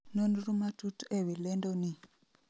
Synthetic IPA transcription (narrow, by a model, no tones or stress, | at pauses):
nonduɾumatutuewilɛndoni